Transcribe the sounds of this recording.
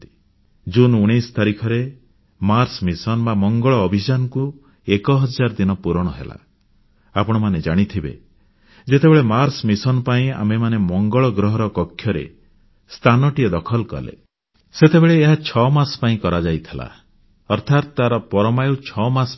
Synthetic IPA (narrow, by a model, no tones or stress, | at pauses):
t̪i̥ | d͡ʒunuɽ̃ist̪aɾikʰɔɾe | maɾsmisɔnbamɔŋɡɔɭɔːbʱid͡ʒanɔku | ekɔɦɔd͡ʒaɾɔd̪inɔpuɾɔɽ̃ɔɦḛla̰ | apɔɽ̃ɔmaned͡ʒaɽ̃it̪ʰibḛ | d͡ʒet̪ebeɭemaɾsmisɔnpaĩa̰memanemɔŋɡɔɭɔɡɾɔɦɔɾɔkɔkʰːjɔɾḛ | st̪ʰanɔʈiɔd̪ɔkʰɔlkɔ̰lḛ | set̪ebeɭeːɦat͡ʃʰɔmaspaĩkɔɾad͡ʒajt̪ʰila̰ | ɔɾt̪ʰat̪t̪aɾɔpɔɾɔmajut͡ʃʰɔmas